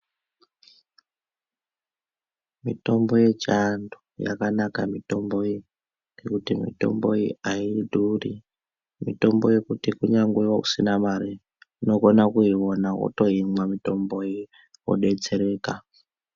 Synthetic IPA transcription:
mito̞mbo̞je̞t͡ʃandu̥ja̰kanakamito̞mbo̞i | ŋɡe̞kutimḭto̞̰mbo̞iaidʱuri | mito̞mboje̞kutikuɲaŋɡewokusinamaɾi | uno̞konakuiwonawo̰to̞ɦimwamito̞mbo̞i | wo̰ɗe̞t͡se̞ɾe̞ːka

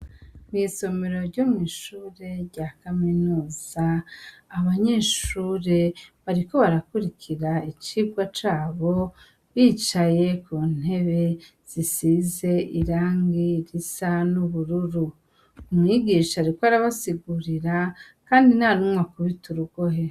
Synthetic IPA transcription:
mŋiːso̞meɾo̞ɾɟomŋiːʃuːɾe̞ɾɟakaminuːz̥aː | βaɲe̞ːʃuːɾe̞βaɾiko̞βaɾakuɾikʰiɾait͡ʃiɡwat͡ʃaːβo̞ | βiːt͡ʃaje̞kʰuːn̥e̞βe̞ | z̥isize̞ʔiɾaːŋɡiɾisanuβuɾuɾu | umŋiɡiːʃaɾikoaɾaβasiɡuɾiɾa | kaːndinaɾumwakuβituɾuɡ̥o̞ɦe

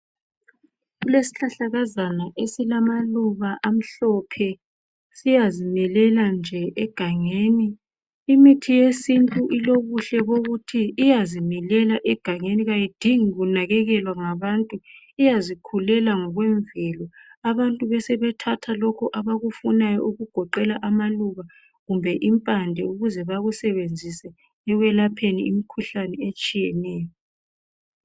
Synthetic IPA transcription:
ɣulesi̥ɬaɬaɣazanaʔesilamaluβaʔam̩ɬɔpʰɛ | sijazinɛlɛland͡ʒʱɛʔɛɡ̥ʱaŋeːniː | mitʰijesintʼuʔiloβuɬɛβoɣutʰiːjazinɛlɛlaʔɛɡ̥ʱaŋeniɣajid̥ʱiŋiɣunaɣɛɣɛlwaŋaβantʼu | ijazikʰulɛlaŋɔɣwɛɱvɛlɔaβantʼuβɛsɛβɛtʰatʰalɔkʰɔʔaβaɣufunajɔ̰uɣuɡ̥ʱɔǃɛlaʔamaluɣa | ɣumbʱɛʔimpʼandʱɛuɣuzɛβaɣusɛβend͡zʱisɛ | ɛɣwɛlapʰeniimikʰuɬanɛet͡ʃʼijɛnɛːjɔ

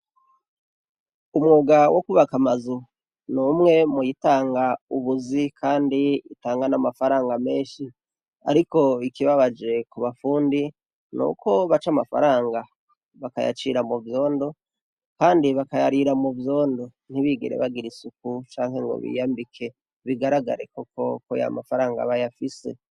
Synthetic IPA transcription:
umŋoːɡawokuβakamazu | numŋe̞mujitaːŋɡauβuzikʰaːndiḭtaːŋɡanamafaɾaːŋɡame̞ːʃi | a̰ɾiko̞ikiβaβad͡ʒe̞kuβafuːndi | nṵkʰo̞βat͡ʃamafa̰ɾaːŋɡa | βaka̰ja̰t͡ʃiɾamuvjo̞ːndo̞ | kaːndiβakajaɾiɾamuvjo̞ːndo̞ | n̥hiβiɡḭɾḛβaɡiɾisuk̚ut͡ʃaːŋhe̞ŋɡo̞̰βḭjaːmbikʰe | βiɡaɾaɡa̰ɾekoko̞koja̰mafaɾaːŋɡa̰βajafise̞̰

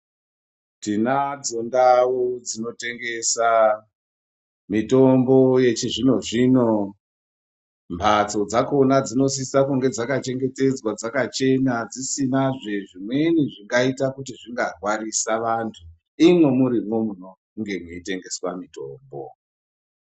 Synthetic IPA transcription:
tinad͡zo̞ndawud͡zino̞te̞ŋɡe̞sa | mito̞mbo̞je̞t͡ʃiʐino̞ʐino̞ | mbʱat͡so̞d͡zako̞nad͡zino̞s̬isakuŋɡe̞d͡zakat͡ʃe̞ŋɡe̞te̞d͡zwad͡zakat͡ʃe̞nad͡zisinaʐe̞ʐimwe̞niʐiŋɡaitakutiʐiŋɡarwarisaʋantʰu | imwemuɾimwo̞muno̞ | ŋɡe̞muite̞ŋɡe̞swamito̞ːmbo̰

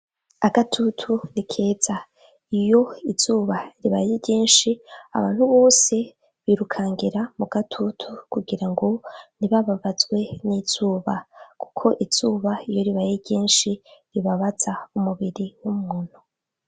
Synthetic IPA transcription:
aɡatʰutʰunikʰe̞ːz̥a | ijo̞iz̥uːβaɾiβajeɟeːnʃia̰βa̰ːn̥huβo̞ːse̞ | βiɾukʰaːŋɡiɾamuɡatʰutʰukuɡiɾaŋɡo̞niβaβaβazɡwe̞niz̥uːβaku̥kʰo̞ʔiz̥uːβaijo̞ɾiβajeɾɟeːnʃiɾiβaβazaumuβiɾiwumŋun̥o

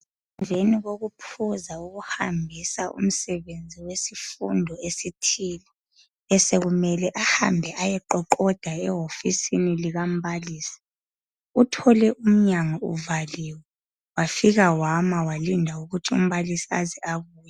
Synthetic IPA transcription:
ɛɱveniɣoɣupʰuzauɣuhambʱisaʔṵm̩sɛβend͡zʱiwesifundʱɔesitʰiːlɛ | ɛseɣumɛlɛʔaha̰mbʱɛʔajɛǃɔǃɔd̥ʱaɛɦofisiniliɣam̩βaliːsi̥ | utʰɔlɛʔum̩ɲaŋaṵvaliːwɛ | wafiɣawamawalindʱauɣutʰiṵm̩βalisiazɛaβuːja

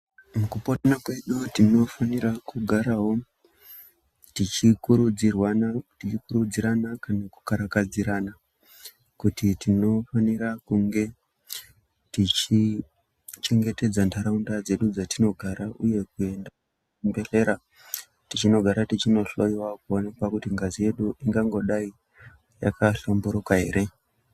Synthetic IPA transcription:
mukupotanakwe̞ɗutino̞fanirakuɡʱaɾaɦo̞ | tit͡ʃikuɾud͡zirwanatit͡ʃikuɾud͡ziɾanakanaku̥kaɾakad͡ziɾana | kutitino̞faniɾakuŋɡe̞ | tit͡ʃi | t͡ʃe̞ŋɡe̞te̞d͡zantʰaɾaundad͡ze̞ɗud͡zatino̞ɡʱaɾaʔuje̞kue̞nda | mbeɬe̞ɾa | tit͡ʃino̞ɡʱaɾatit͡ʃino̞ɬo̞iwakuo̞nekwakutiŋɡazije̞ɗuʔiŋɡaŋɡo̞ɗai | ja̰kaɬombuɾokaɦe̞ːɾe̞

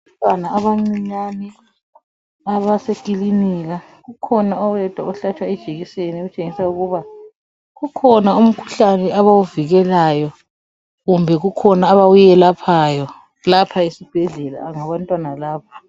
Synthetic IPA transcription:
ntʼwanaːβaŋ͡ǀiɲanɛ | aβasekʼiliniɣa | ɣukʰɔnaɔwɛd̥ʱwaɔɬat͡ʃʼwaɛd̥ʒ̥ʱeɣiseniɣut͡ʃʼeŋisauɣuβa | ɣukʰɔnaum̩kʰu̥ɬanɛaβawuviɣɛlajɔ | ɣumbʱɛɣukʰɔnaːβawujɛlapʰajɔ | lapʰaesib̥ʱɛɮɛla̰ŋaβantʼwanalaːpʰḁ

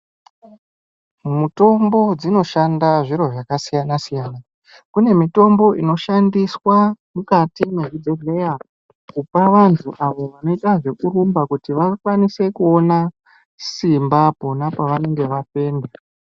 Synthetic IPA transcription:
muto̞mbo̞d͡zino̞ʃandaʐiɾo̞ʐakasijanasijaːna | kune̞mito̞mbo̞ʔino̞ʃandiswamukatimeɦud͡zeɮeja | kupaʋantʰuʔaʋo̞ʋano̞itaʐe̞kuɾumbakutiʋakwanise̞kuo̞na | simbapo̞napaʋane̞ŋɡe̞ʋape̞ːnda

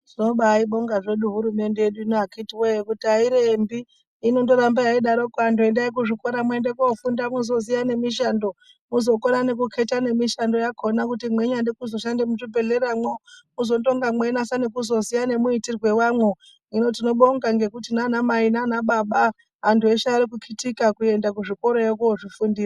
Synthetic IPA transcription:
ʐino̞ɓaiɓo̞ŋɡaʐe̞ɗuɦuɾume̞nde̞jeɗuinoakitiwejekutiaiɾembiː | no̞nto̞ɾambejaiɗaɾo̞kuantʰue̞ndaik̬uʐikoɾamwe̞ndekfundamuzo̞zijane̞miʃ̬ando̞ | muzo̞koɾane̞kukʰe̞tane̞miʃando̞jakʰo̞nakutimwe̞ɲandikuzo̞ʃandemut͡ʃibe̞ɮeɾamwomuzo̞to̞ŋɡamwe̞nasanekuzo̞zijane̞muitirwe̞wamwo | ino̞tino̞ɓoŋɡaŋɡe̞kutinanamainanaɓaɓa | ɦantʰueʃaɾikukʰitikakue̞ndakuʐiko̞ɾojekuoʐifundiːra

